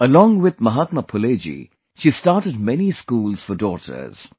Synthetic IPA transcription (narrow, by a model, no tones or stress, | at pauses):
əlɔ̃ːŋwɪd̪̚mɐɦat̪məpʰʊleːd͡ʒḭ | ʃiːstaːɾʈəɖ̚mɛniskuːlz̥fɔdɔːʈʰə̰ɾz̥